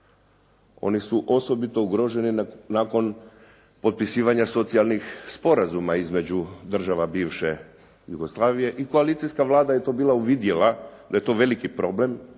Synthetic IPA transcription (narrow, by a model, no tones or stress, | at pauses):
o̞̰nisuʔo̞so̞bit̪o̞uɡɾo̞ʒe̞ninako̞n | po̞t̪̚pisiːʋaɲaso̞t̪sijalˠnixspo̞ɾazumaizme̞d͡ʑud̪r̩ʒaʋabiːʋʃe̞ | juɡo̞slˠaːʋije̞ʔiko̞alit̪sijskaʋlˠaːd̪aje̞t̪o̞ːbiːlˠauʋid̪jelad̪aje̞t̪o̞ːʋe̞likipɾo̞ble̞m